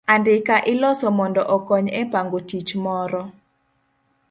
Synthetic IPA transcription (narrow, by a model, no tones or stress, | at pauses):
andɪkaʔɪlɔsɔmɔndɔʔɔkɔɲɛpaŋɡotit͡ʃmɔɾɔ